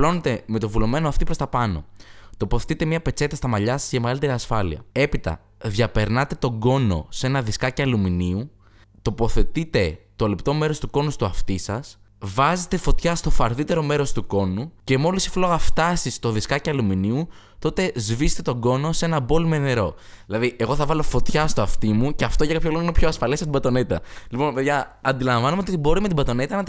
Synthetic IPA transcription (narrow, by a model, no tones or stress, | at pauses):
lo̞net̪e̞me̞t̪ovulome̞noɐft̪ipɾost̪ɐpɐno̞̰t̪o̞poθe̞t̪it̪e̞mɲɐpe̞t͡se̞t̪ɐst̪ɐmɐʎɐsɐzʝɐme̞ɣɐlit̪e̞ɾiɐsfɐlḭɐ̰e̞pit̪ɐ̰ | ðʝɐpe̞ɾnɐt̪e̞t̪o̞ɡo̞no̞̰se̞nɐðiskɐcɐluminiu | t̪o̞po̞θe̞t̪it̪e̞t̪olept̪o̞me̞ɾo̞st̪uko̞nust̪uɐft̪isɐs | vɐzet̪e̞fo̞t̪çɐst̪o̞fɐɾðit̪eɾo̞me̞ɾo̞st̪uko̞nuce̞mo̞lisi̥flo̞ɣɐft̪ɐsist̪o̞ðiskɐceɐluminiu | t̪o̞t̪e̞zvise̥t̪et̪o̞ɡo̞no̞se̞nɐbo̞lmene̞ɾo̞ | ðilɐðiʔe̞ɣo̞θɐvɐlo̞fo̞t̪çɐst̪oɐft̪imuceɐft̪oʝɐkɐpçoloɣoninopçoɐsfɐlesɐpt̪ibɐt̪o̞ne̞t̪ɐ̰lipo̞npeðʝɐ | ɐnd̪ilɐɱvɐnumeot̪ot̪ibo̞ɾime̞t̪ibɐt̪o̞net̪ɐnɐ